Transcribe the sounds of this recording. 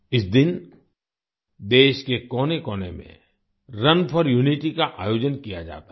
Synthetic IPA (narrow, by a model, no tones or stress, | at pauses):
ɪsd̪ɪn | d̪eːʃkekɔːnekɔːnḛmḛ̃ | ɾɐnpʰɔɾjuːnɪʈikaʔaːjoːd͡ʒənkija̰d͡ʒa̰ːt̪a